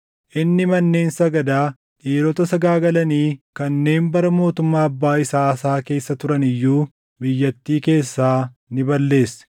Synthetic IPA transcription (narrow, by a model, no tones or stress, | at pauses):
ʔɪnːɪmɐnːe̞ːnsɐɡɐd̪aː | ᶑiːɾɔt̪ɐsɐɡaːɡɐlɐniːkɐnːe̞ːmbɐɾɐmo̞ːt̪ʊmːaːɐbːaːɪsaːɐsaːke̞ːsːɐt̪ʊɾɐnɪjːuː | bɪjːɐt̪ːiːke̞ːsːaːnɪbɐlːe̞ːsɛ̥